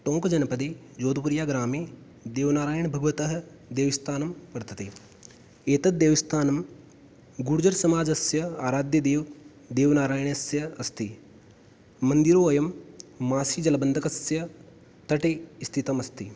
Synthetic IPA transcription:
ʈõːŋkɐd͡ʒɐnɐpɐd̪eːd͡ʒoːd̪upuɾjaːɡɾaːmeː | d̪eːʋnaːɾaːjɳbʱɐɡʋɐt̪ɐɦɐ̆ | d̪eːʋist̪ʰaːnɐmpɐɾt̪ɐt̪eː | eːt̪ɐt̪̚d̪eːʋɐst̪ʰaːnɐm | ɡuɾud͡ʒɐɾsɐmaːd͡ʒɐsjɐaːɾaːd̪jɐd̪eːʋ | d̪eːʋnaːɾaːjɳɐsjɐɐst̪i | mɐnd̪iɾoːɐjɐmːaːsiːd͡ʒɐlɐbɐnd̪ʱɐkɐsjɐ | t̪ɐʈeːst̪ʰit̪ɐmɐst̪i

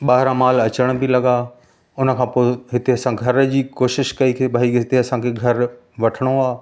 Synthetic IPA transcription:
ɓaːɦɪɾãmaːlɐt͡ɕəɽ̃bʱilɐɠa | ʊnə̆kʰãːpoːeɦɪt̪eɐsãɡʱɐɾd͡ʑiːkoːʃɪʃkɐikʰeːbʱaːiɪt̪eɐsãkʰeɡʱɐɾ | ʋɐʈʰəɽ̃oaː

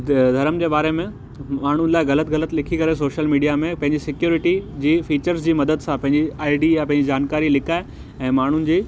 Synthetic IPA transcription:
d̪ʱɐɾəmd͡ʑeːbaːɾemẽ | maːɳ̤ʊnɪ̆laːɪɣɐlət̪ɣɐlət̪lɪkʰikɐɾes̬oːʃəlmiːɖijamẽpɐ̃ɦɪ̃ɲd͡ʑisɪkjuːɾɪʈid͡ʑiːfiːt͡ɕəɾzd͡ʑiːmɐd̪əd̪sãpɐ̃ɦɪ̃ɲd͡ʑiaːɪɖijapɐ̃ɦɪ̃ɲd͡ʑid͡ʑaːnkaːɾilɪkʰaːɪ | ɛ̃ːmaːɳ̤ʊnɪ̆d͡ʑiː

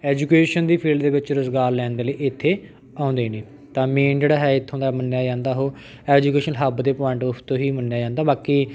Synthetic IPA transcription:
ɛːd͡ʒuːkeːʃənd̪iːpʰiːlɖd̪eːbɪt͡ʃɾəzɡaːɾlɛːnd̪eːləiːɪt̪ʰːeː | ãːnd̪eːnẽː | t̪ãːmeːnd͡ʒeːɽaːɦɛːɪt̪ʰːõːnd̪amənːjaːd͡ʒãːnd̪aːɦoː | ɛːd͡ʒuːkeːʃənɦəbd̪eːpɔːɪɳʈʊpʰt̪õːɦiːmənːjaːd͡ʒãːnd̪aːbaːkiː

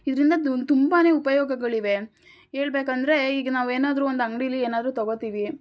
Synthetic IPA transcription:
id̪ɐɾind̪ɐt̪umbaːne̞ːupɐjoːɡɐɡɐɭiʋe̞ | ɦeːɭbe̞ːkɐnd̪ɐɾe̞iːɡɐnaːʋueːnaːd̪ɐɾuond̪ɐŋɡɐɽijɐlːieːnaːd̪ɐɾuːt̪ɐɡot̪iːʋi

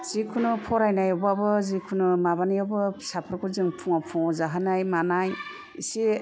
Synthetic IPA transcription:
z̥ikʰunɯpʰɔɾajnajɔbabɯzikʰunɯmaβanijabɯsapʰaɾkʰuzɯŋpʰuŋapʰɔŋɔzaɦanajmanaj | ḭsi

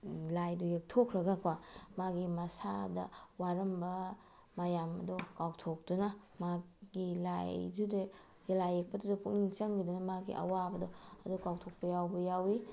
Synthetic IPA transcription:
lajdujek̚tʰokʰɾɐɡakwamaɡimɐsadɐ̰waɾɐmbɐ | majamɐ̰dɔkawtʰok̚dunɐ | maɡila̰jjdude | jelajek̚pɐdudɐkuk̚niŋt͡ʃɐŋɡidunɐmaɡḭʔɐ̰wabɐdɔɐdukawtʰok̚pɐjawbɐjawi

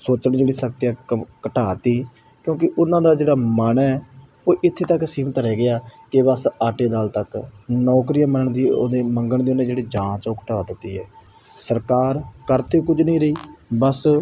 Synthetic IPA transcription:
soːt͡ʃəɳd͡ʒeːɽiːsəkt̪iɛːkəʈaːt̪iː | kjõːk̬ɪʔʊnãːd̪aːd͡ʒeːɽaːməːnɛɛ | oːʔɪt̪ʰːeːt̪əksiːmt̪əɾɛːɡɪaːkɪbəsaːʈeːd̪aːlt̪əknɔːkɾɪjãːmənəɳd̪iːo̰d̪eːməŋɡəɳd̪iːonẽːd͡ʒeːɽeːd͡ʒãːt͡ʃoːkə̥ʈaːd̪ɪt̪ːiːɛː | səɾkaːɾkəɾt̪eːkʊd͡ʒnĩːɾəiːbəs

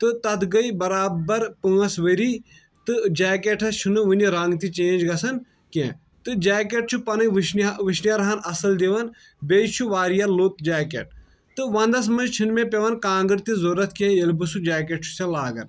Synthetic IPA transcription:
t̪ɨt̪ɐt̪ʰɡɐibɐɾaːbɐɾpɨːɐsʋɐɾi | t̪ɨd͡ʒaːkeʈʰɐst͡ʃʰunɨʋunʲiɾaŋɡt̪it͡ʃẽːnd͡ʒɡɐsɐn | kḛ̃ | t̪ɨd͡ʒaːkʲeʈ̚t͡ʃʰupɐnɐʃnʋɨʃnjaɾɐɦɐnɐsɐld̪eʋɐn | bejt͡ʃʰuʋaːɾjɐlot̪d͡ʒaːkḛʈ̚ | t̪ɨʋɐ̃nd̪ɐs̬mɐnt͡ʃʰinmẽpʲeʋɐnkãːɡɨɾt̪izoɾɐt̪ʰkẽjelbɨsud͡ʒaːk̬ʲeʈ̚t͡ʃʰu̥sʲɐ̃laːɡɐ̰n

